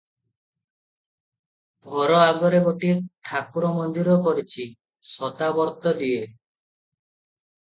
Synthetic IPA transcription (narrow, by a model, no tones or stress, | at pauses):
bʱɔɾɔaɡɔɾeɡoʈiʈʰakuɾɔmɔnd̪iɾɔkɔɾit͡ʃʰi | sɔt̪abɔɾt̪ɔd̪ie